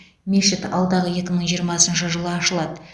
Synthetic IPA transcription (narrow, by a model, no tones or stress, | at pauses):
meʃɪt̪ɑ̰lˠd̪ɑʁəje̞kʲɪməɴʒijəɾmɑsənʃəʒəlˠəɑʃəlˠɑd̪ə